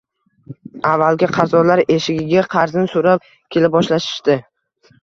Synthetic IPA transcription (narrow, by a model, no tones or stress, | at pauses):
avːalɡʲɪqʰɑzɒlaɾeʃɪɡʲɪɡʲaqʰɑɾzɪnɪsoɾap̚ | kʲʰe̞lɪp̚bɒʃlaʃɪ̥ʃt̪ɪ